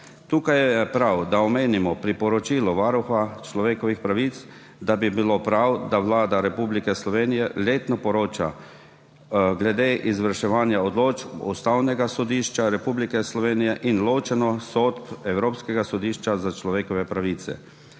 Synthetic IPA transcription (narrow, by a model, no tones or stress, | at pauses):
t̪uːkajɛɛpɾawd̪aɔmeːnimɔpɾipɔɾɔt͡ʃiːlɔʋaːɾuxat͡ʃlɔʋeːkɔʋixpɾaʋit̪s | d̪abibilopɾawd̪aʋlaːd̪aɾɛpublikɛslɔʋeːnijɛleːt̪nɔpɔɾoːt͡ʃa | ɡlɛd̪eːʔizʋəɾʃɛʋaːnjaɔd̪loːt͡ʃust̪awnɛɡasɔd̪iʃt͡ʃaɾɛpublikɛslɔʋeːnijɛʔinloːt͡ʃɛnɔsot̪pɛwɾoːpskɛɡasɔd̪iːʃt͡ʃazat͡ʃlɔʋeːkɔʋɛpɾaʋiːt̪sɛ̰